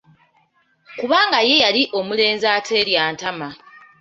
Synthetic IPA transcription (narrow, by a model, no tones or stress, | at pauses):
kuβaːŋɡaje̞jaliʔo̞mule̞ːnzaːtʰe̞ljaːntama